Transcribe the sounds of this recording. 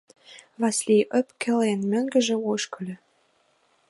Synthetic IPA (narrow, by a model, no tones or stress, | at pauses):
βɑslʲijʔøpkĕlenmø̆ŋɡə̆ʒĕoʃkɤ̆lʲɘ̆